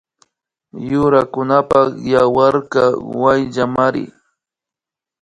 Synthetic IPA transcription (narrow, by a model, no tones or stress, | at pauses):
jʊɾakʊnapɑχjawaɾkɑwajʎamaɾɪ̰